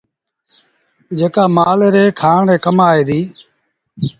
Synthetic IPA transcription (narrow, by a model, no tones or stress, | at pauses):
d͡ʒeːkaːmaːleɾeːkʰaːɳɾeːkəmaːeːd̪iː